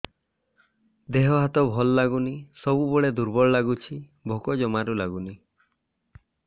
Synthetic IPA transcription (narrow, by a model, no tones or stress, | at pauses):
d̪eɦɔɦat̪ɔbʱɔlɔːaɡunisɔbubɔɭed̪uɾbɔɭɔlaɡut͡ʃʰi | bʱokɔd͡ʒɔmaɾulaɡuni